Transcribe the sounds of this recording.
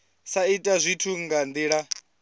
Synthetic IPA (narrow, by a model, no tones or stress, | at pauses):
saitʼazʷitʰuŋɡand̪iːɺa